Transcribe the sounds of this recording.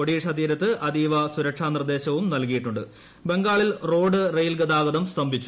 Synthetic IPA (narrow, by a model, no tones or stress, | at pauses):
oɽiːʂɐd̪iːɾɐt̪ːɨʔɐd̪iːʋɐsuɾɐkʂaːnird̪e̞ːɕɐʋumnɐlkijiʈːuɳɖɨ | be̞ŋɡaːɭilro̞ːɖɨrejlɡɐd̪aːɡɐd̪ɐmst̪ɐmbʱit͡ɕːu